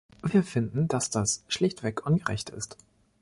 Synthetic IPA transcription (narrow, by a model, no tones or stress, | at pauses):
viːɐfɪndn̩d̥asd̥asʃlɪçtv̥ɛkʔʊnɡəʁɛ̰çtɪ̰st